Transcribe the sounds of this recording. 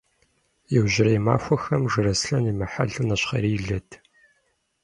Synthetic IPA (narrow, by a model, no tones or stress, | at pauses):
jɛwʑɪrɐjma̰ːxʷɐxɐmʐɨɾɐsɬɐniːmaħaɮunɐɕχɐ̰ɾiːɮɐtʰ